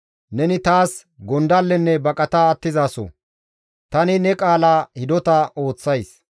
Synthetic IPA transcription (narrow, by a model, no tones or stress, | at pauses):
nɛnɪt̪aːs | ɡɔnd̪ɐlːɛnːɛbɐkʼɐt̪ɐːt̪ːɪzaːsɔ̰ | t̪ɐnɪnɛkʼaːlaːhɪd̪ɔt̪ɐʔo̞ːt͡sːɐjs